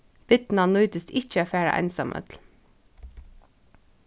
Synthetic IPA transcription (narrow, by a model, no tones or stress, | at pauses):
b̥ɪt̪n̩ɑnœʏt̪əst̪ɪçəoːfæːɹə̰ʔæ̰ɪnsɑ̰mʔə̰t̪ʰl̩